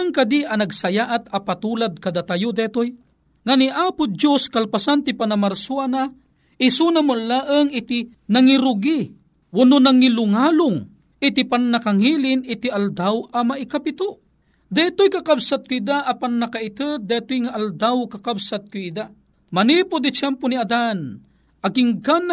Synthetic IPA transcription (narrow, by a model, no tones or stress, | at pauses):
aŋkad̪iʔɐnaɡsɐjaːʔat̪ɐpat̪uːlad̪̚kad̪at̪ajʊd̪ɛt̪oj | ŋaniʔaːpʊjoskalpasant̪ipanamaɾsuana | ɪsunamʊnlaʔəŋɪt̪i | naŋiɾʊɡi | ʔʊnʊnaŋilʊŋaːlʊŋ | ɪt̪ipanːakaŋiːlɪnɪt̪iald̪awɐmaʔikapit̪ʊʔ | d̪ɛt̪ojkakabsat̪̚kʊid̪aʔapanːakait̪ɨt̪̚d̪ɛt̪ojŋaʔald̪awkakabsat̪̚kʊid̪a | manipʊd̪it͡ʃɛmponiad̪an | ʔɐɡiŋɡan